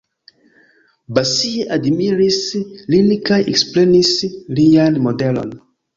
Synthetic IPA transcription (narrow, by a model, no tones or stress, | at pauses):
basieʔadmiɾislinikajḛksplenislianmodelo̰n